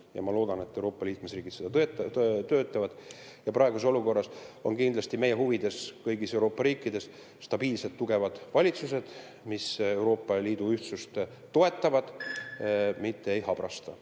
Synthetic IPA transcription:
jɑ̰mɑlo̞ːd̪̥ɑne̞t̪ːewɾo̞ːpːˑɑliːk̚mesriːɡit̪sed̪̥ɑt̪ø̞ːt̪ːˑɑvɑd̪̥ | jɑpɾɑe̞ɡuseo̞luko̞rːɑso̞nkind̪lɑsʲt̪ime̞jeɦuvid̪̥e̞skɤjɡise̞uwɾo̞ːpːɑɾiːkːˑid̪̥e̞s | st̪ɑb̥iːlse̞lt̪ːuɡ̥e̞vɑd̪̥vɑlʲit̪suse̞d̪̥ | mise̞wɾo̞ːpːˑɑliːd̪̥uyht̪sust̪ː | o̞e̞t̪ˑːɑvɑd̪̥ | mit̪ːeejhɑb̥ɾɑst̪ɑ

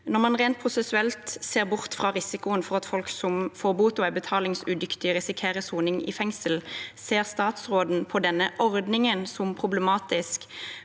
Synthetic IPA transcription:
nɔʁmɑnʁeːnt̪̚pʰʁʊsɛsʉɛlt̪seːʁbʊʁt̪fʁɑːʁɪsɪkʊənfɔʁɑt̪fɔlksɔmfoːʁbuːt̪ɔæbət̪ʰɑːlɪŋsʉd̪ʏkt̪ɪʁɪsɪkʰeːʁəsuːnɪŋɪ̰fɛŋsəlseːʁst̪ɑːt̪sʁoːd̪n̩pʰɔd̪ɛnːəʔɔʁd̪nɪŋənsɔmpʰʁʊbləmɑːt̪ɪsk

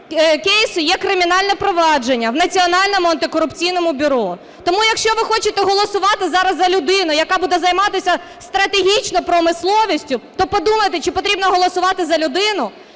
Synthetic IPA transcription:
kejsʊjɛkɾɪmʲinɑlʲnɛpɾɔʋɑd͡ʒenʲːɐwnɐt͡sʲiɔnɑlʲnɔmʊɐnt̪ɪkɔɾʊpt͡sʲijnɔmʊbʲʊɾɔ | t̪ɔmujɐkʃt͡ʃɔʋɪxɔt͡ʃɪt̪ɛɦɔlˠɔsʊʋɑt̪ɪzɑɾɐzzɐlʲʊd̪ɪnʊjɐkɑbud̪ɛzɐjmɑt̪ɪsʲɐ | st̪ɾɐt̪eɦʲit͡ʃnɔpɾɔmɪslˠɔʋʲisʲtʲʊt̪ɔpɔd̪umɐjt̪ɪt͡ʃɪpɔt̪ɾʲibnɔɦɔlˠɔsʊʋɑt̪ɪzɐlʲʊd̪ɪnʊ

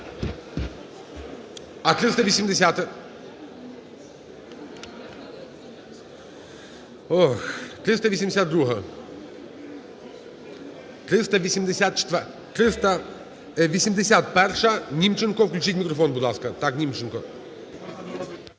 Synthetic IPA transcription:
ɐt̪ɾʲɨst̪əvʲɪsʲɪmʲdʲɪsʲat̪ | oxt̪ɾʲist̪ɐvʲɪsʲɪmʲdʲɪsʲat̪d̪ɾuɦə | t̪ɾʲɪst̪əvʲɪsʲɪmʲdʲɪsʲat̪t͡ʃɪ̥t̪ | t̪ɾʲɪst̪ə | vʲɪsʲɪmʲdʲɪsʲat̪̚pɛrʂəənʲimt͡ʃɪnkofklʲʉt͡ʃitʲmʲɪkɾɔfonbʊd̪laskɐt̪aknʲimt͡ʃɪnkɔ

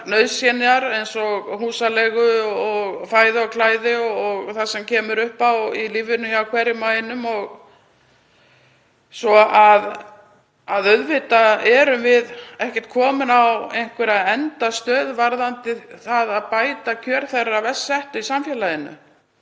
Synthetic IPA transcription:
nœɥsjɛnɪaɾejnsɔɣhuːsalɛɣʏɔɣfaːjðɪɔwkʰlaːjðɪɔɣθasɛmcʰɛːmʏɾʏhpawiliːvʏnːʏçaawkʰvɛɾjɪmaːjɪnʏmɔɣ | sɔað | aðœɥðvɪt̪aɛɾʏmvɪðɛhcɛ̥t̪̚kʰɔːmʏnawejŋ̥kʰvɛɾaðɛnt̪ast̪œːðvaɾðant̪ɪθaðaðpaːjt̪acʰœːɾ̥θɛrːavɛsːɛht̪ʏisamfjɛːlajɪnʏ̰

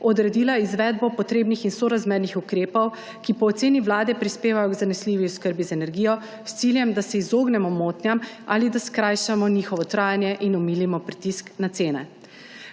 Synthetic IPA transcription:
ɔd̪ɾɛd̪iːlaizʋɛd̪̚bɔpɔt̪ɾeːbnixinsɔɾazmeɾnixukɾeːpɔw | kipɔːt̪seːniʋlaːd̪ɛpɾispeːʋajɔɡzanɛsliːʋiɔskəɾbizaɛnɛɾɡijɔ | st̪siljɛmd̪asɛizoːɡnɛmɔmoːt̪nʲjam | a̰lid̪askɾajʃamɔniːxɔʋɔt̪ɾaːjanjɛʔinɔmiːlimɔpɾit̪isknat̪seːnɛ̰

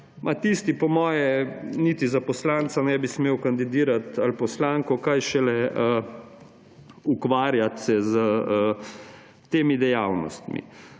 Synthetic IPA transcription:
mʔat̪ist̪ipɔmɔːjɛnit̪izapɔslaːnt̪sanɛbismeːwkand̪id̪iːɾat̪alpɔslaːŋkɔkajʃɛlɛə | ukʋaːɾjat̪sɛzəə | t̪eːmid̪ɛjawnɔ̰st̪mḭ

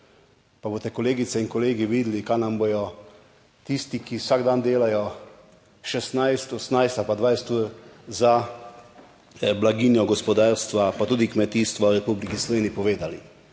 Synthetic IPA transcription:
paboːt̪ɛkɔleːɡit̪sɛinkɔleːɡiʋiːd̪likanambojɔ | t̪ist̪ikiwsaɡd̪and̪eːlajɔ | ʃɛst̪najst̪ɔsnajst̪alpad̪ʋajst̪uza | blaɡiːnjɔɡɔspɔd̪aːɾst̪ʋapat̪uːd̪ikmɛt̪iːst̪ʋaɾɛpublikislɔʋeːniipɔʋeːd̪ali

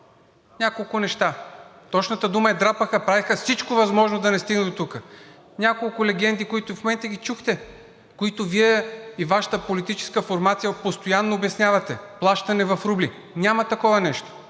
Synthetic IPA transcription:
nʲakolˠkʊnɛʃt̪a | t̪ɔt͡ʃnət̪əd̪umɐɛd̪ɾapəxəpɾavɛxəfsit͡ʃkovɐzmɔʒnod̪ɐnɛst̪iɡnd̪ot̪ukə | nʲakolˠkʊlɛɡɛnd̪ikoit̪ʊfomɛnt̪əɡ̟it͡ʃuxt̪ɛ | koit̪ʊviɛivaʃɐ̥t̪əpolit̪it͡ʃɛ̥skəfoɾmat̪sijɐpost̪ojanːoːbɛsnʲjavɐt̪ɛplˠaʃt̪ɐnɛvɐfɾubli | nʲamɐt̪ɐkɔvɐnɛʃt̪o̥

